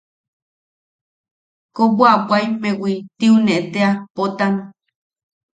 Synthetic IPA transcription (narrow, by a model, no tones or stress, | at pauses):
kobwapwajmẽwit̪iuneʔt̪eapot̪ano